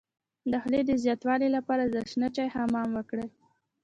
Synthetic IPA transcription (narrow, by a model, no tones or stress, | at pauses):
d̪axled̪əzjɑt̪wɑlelapɑɾazaʃnat͡ʃɑjhamɑmwəkɽə